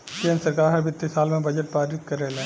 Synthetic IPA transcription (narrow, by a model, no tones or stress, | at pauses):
kẽːnɾsɐɾkaːɾɦɐɾbɪt̪ːisaːlmẽbɐd͡ʒəʈ̚paːɾɪt̪̚kɐɾːelẽː